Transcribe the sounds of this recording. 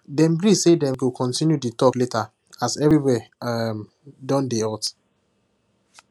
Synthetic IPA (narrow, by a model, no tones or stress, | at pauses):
dɛ̃mbɹisedɛ̃mkukʰɔ̃ntĩnjuditɔkleta | asɛvɹiwɛm | dɔ̃ndeat